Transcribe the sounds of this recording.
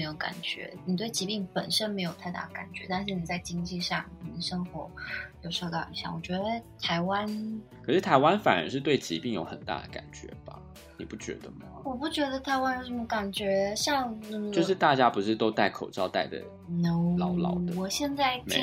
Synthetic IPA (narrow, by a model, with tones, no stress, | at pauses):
ɪjo˧ʊka̰˨˩nt͡ɕɥɛ̰˧˥ni˨˩t̪we˥˩ɪt͡ɕi˧˥pi˥˩ŋpə˨˩nʂə˥nme˧˥ɪjo˨˩ʊt̪ʰa˥˧ɪt̪a̰˥˩ə˨˩ka̰˨˩nt͡ɕɥɛ˧˥t̪a˥˧nʂ̬ɻ̩˥˩ni˨˩t͡sa˥˩ɪt͡ɕi˥ŋt͡ɕi˥˧ʂɑ˥˩ŋkʰə˨˩nə˧˩ʂɤ˥ŋxwɔ˥˩ʊjo˨˩ʊʂɑ˥˧kɑ˥˩i˧˩ɕjɑ̰˥˩ŋwɔ˨˩t͡ɕɥɛ˧˥d̪ə˧t̪ʰa˧˥ɪwa˥nkʰə˨˩ʂɻ̩˥˩t̪ʰa˧˥ɪwa˦nfa̰˨˩nə̰˧˥ʂɻ̩˥˧t̪̬we˥˩ɪt͡ɕḭ˧˥pi˥˩ŋjo˧˥ʊxə˨˩nt̪a̰˥˩d̪ə˩ka̰˨˩nt͡ɕɥɛ̰˧˥b̥ɐ̰˨ | nḭ˨˩pu˥˩t͡ɕɥɛ̰˧˥d̪ə˧mɐ˩wɔ˨˩pu˥˩t͡ɕɥɛ˧˥d̪ə˧t̪ʰa˧˥ɪwa˥njo˥˩ʊʂə˧˥mə˧ka˨˩nt͡ɕɥɛ˧˥ɕjɑ˥˧ŋn˥˩jo˥˧ʊʂɻ̩˥˧t̪a˥˩t͡ɕja˦˥pu˧˥ʂɻ̩˥˩t̪o˥ʊt̪a˥˩ɪkʰo˨˩ʊʈ͡ʂɑ˥˧ʊt̪a˥˩ɪd̪ə̰˩˥˧ | lɑ˥ʊlɑ˨˩ʊd̪əwɔ˨˩ɕjɛ˥˧nt͡sa˥˧ɪm˦˥